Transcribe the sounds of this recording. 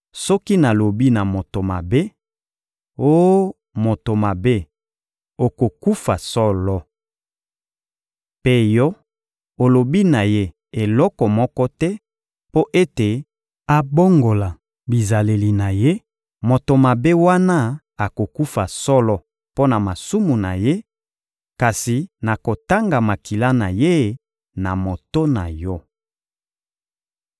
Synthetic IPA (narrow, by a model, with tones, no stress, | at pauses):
sɔ˦ki˦na˨lo˨bi˦na˨mo˨to˨ma̰˨be˦ | o˦ | mo˨to˨ma˨be˦ | o˨ko˨ku˦fa˨sɔ˦lɔ˦ | pe˦jɔ˦ | o˨lo˨bi˦na˨je˦ | e˨lɔ˦kɔ˨mɔ˦kɔ˦tɛ˦ | po˦ʔe˦te˨ | a˨bo˦ŋɡo˨la˨ | bi˨za˨le˨li˨na˨je˦ | mo˨to˨ma˨be˦wa˦na˦ | a˨ko˨ku˦fa˨sɔ˦lɔ˦ | po˦na˨ma˨su˦mu˨na̰˨je˦ | ka˨si˨na˨ko˨ta˦ŋɡa˨ma˨ki˨la˦na˨je˦ | na˨mo˨to˦na̰˨jɔ˦